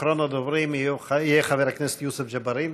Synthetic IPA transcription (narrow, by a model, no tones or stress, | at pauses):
ɾonad̪ovɾimuijeχaveɾaknese̥t̪jusefd͡ʒabaɾin